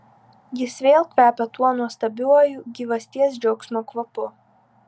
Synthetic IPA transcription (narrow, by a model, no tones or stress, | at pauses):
jɪsʋʲeːlˠkʋʲæːpʲɛt̪uɔnuɔst̪ɐbʲuɔjuɡʲiʋɐsʲt̪ʲiɛsd͡ʒʲɛʊksmoːkʋɐpʊ